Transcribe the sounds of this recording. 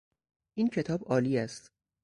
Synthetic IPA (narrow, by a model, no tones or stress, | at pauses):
ʔiːncʰe̞t̪ʰɒːbɒːliːæst̪